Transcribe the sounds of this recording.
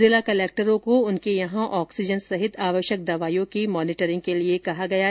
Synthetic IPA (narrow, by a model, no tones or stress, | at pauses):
eːlakɐleːk̚ʈəɾõkoʊnkejɐɦãʔɔːksɪd͡ʒənsɐɦɪt̪ʰaːʋəʃjək̚d̪ɐʋaːjõkimɔːnɪʈəɾɪ̃ŋɡ̚keliekɐɦaɡɐja